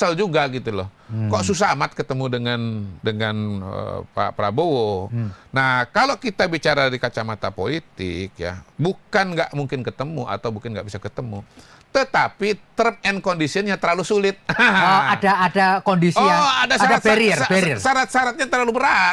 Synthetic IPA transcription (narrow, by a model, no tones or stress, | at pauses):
sald͡ʒuɡaɡit̪ulɔh | kɔʔsus̬amat̪̚kət̪əmudəŋandəŋanə̰pa̰pɾa̰bowonahkalokit̪abit͡ʃaɾadɾikat͡ʃamat̪apolit̪ɪ̰k̚ja̰bukanɡaʔmuŋkɪnkət̪əmuʔa̰t̪awmuŋkɪnɡa̰ʔbisakət̪əmṵ | t̪ət̪apit̪ɾəp̚ɛnkondisiənɲat̪ərlalusulɪt̪̚adaːdakondisiaadasaaat̪feɾieɾsaɾat̪̚saɾat̪̚ɲat̪ərlalubəɾa